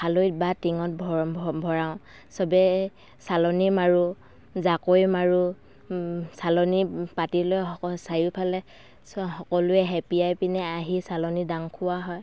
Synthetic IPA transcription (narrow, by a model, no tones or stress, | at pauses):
alojt̚batiŋɔt̚bʱɔbʱɔɹaʊ̃ | sɔbɛ | salɔnimaɹu | zakojmaɹu | salɔnipatilojɔɔsajʊpʰalɛ | shɔkɔlʊɛɦɛpiajpinɛaɦisalɔnidaŋkʰʊwaɦɔj